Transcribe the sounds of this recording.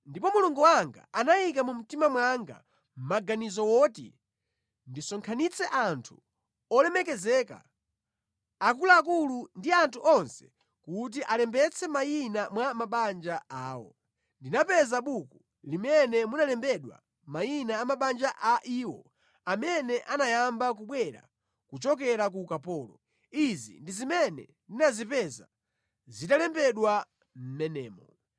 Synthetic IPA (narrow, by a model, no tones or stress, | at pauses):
ndipɔmuluŋɡuwaŋɡa̰anajikamum̩timamwaŋɡa̰ | m̩maɡanizɔwɔtḭ | ndisɔŋkʰanit͡sʰɛʔantʰu | ɔlɛmɛk̬ɛzɛːka̰ | akulaːkulundiantʰuʔɔnsɛ̥ | kut̬iʔalɛmbɛt͡sʰɛmainamwamaɓand͡ʒaaːwɔ̰ | ndinapɛzaɓuku | limɛnɛmunalɛmbɛɗwa̰ | mainaːmaɓand͡ʒaʔaʔiːwɔ̰ | amɛnɛʔanajambak̬uɓwɛɾa̰ | kut͡ʃɔk̬ɛɾakukapɔːlɔ | izḭndizimɛnɛ̰ndinazipɛza̰ | zitalɛmbɛɗwa | m̩nɛnɛːmɔ